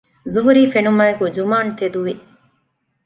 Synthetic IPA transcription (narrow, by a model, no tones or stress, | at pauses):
zuɦuɾiːfenumaːekud͡ʒumaːnt̪ed̪uʋi